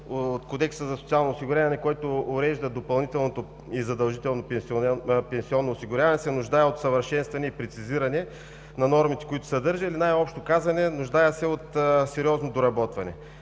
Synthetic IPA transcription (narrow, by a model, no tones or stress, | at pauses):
ot̪kod̪ɛksəzɐsot̪sialˠnoːsiɡʊɾʲavɐnɛkɔjt̪oːɾɛʒd̪əd̪opɐlˠnit̪ɛlˠnot̪o | izɐd̪ɐlˠʒit̪ɛlˠnopɛspɛnsiɔnːoːsiɡʊɾjavɐnɛsɛnʊʒd̪ajɛot̪sɐvəɾʃɛnst̪vɐnɛipɾɛt̪siziɾɐnɛ | nɐnɔɾmit̪ɛ̥koit̪ʊ̥sɐd̪ɤɾʒəilinajɔpʃt̪okazvɐnɛnʊʒd̪ajəsɛot̪sɛɾiɔznod̪oɾɐbɔt̪vɐnɛ̰